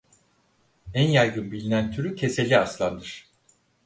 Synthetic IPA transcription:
ænjajɡynbilʲinænt̪ʰyɾycʰe̞se̞lʲːiaslˠand̪ɯɾ̝̥

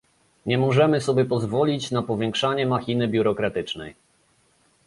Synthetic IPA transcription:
ɲɛmɔʐɛmɘsɔbʲjɛpɔzvɔlʲit͡ɕnapɔvʲjɛ̃ŋkʂaɲɛmaxʲinɘbʲjuɾɔkɾat̪ɘt͡ʂnɛ̰j

